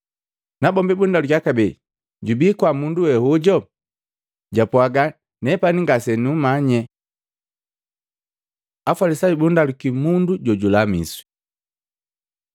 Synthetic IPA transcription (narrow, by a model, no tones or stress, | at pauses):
nabɔmbibundalukakabɛ | ɟubikwamunduwɛhuɟɔ | ɟapwaɡa | nɛpaniŋɡasɛnumaɲɛ | afalisaibundalukimunduɟɔɟulamḭswi̥